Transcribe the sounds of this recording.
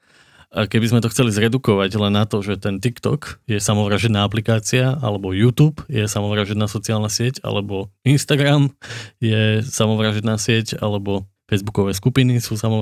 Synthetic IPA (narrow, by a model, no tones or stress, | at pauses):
akɛbizmɛt̪ɔxt͡sɛlizɾɛd̪ukɔʋaɟlɛnːat̪ɔʒɛt̪ɛnt̪ikt̪ɔ̰kjɛsamɔʋɾaːʒɛd̪naːap̬likaːt͡siaʔa̰lɛbɔjuːt̪uːpjɛsamɔʋɾaːʒɛd̪naːsɔt͡siaːlnasɪɛca̰lɛbɔinst̪aɡɾamjɛsamɔʋɾaːʒɛd̪naːsɪɛca̰lɛbɔ | fɛjzbukɔʋɛːskupinisuːsamɔ